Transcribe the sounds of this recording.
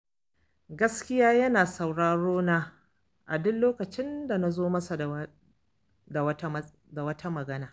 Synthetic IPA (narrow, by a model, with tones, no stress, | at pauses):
ɡɐ˦skʲɪ˦jaː˦jɐ˦naː˨sa˨wɽaː˨ɽoː˦na˦ | ʔa˨dʊ˦lloː˦kɐ˨t͡ʃɪ˦nda˨na˨zoː˦mɐ˦sa˨ | da˨wɐ˦ | da˨wɐ˦tʰɐ˦mɐ˨ɡɐ˦naː˨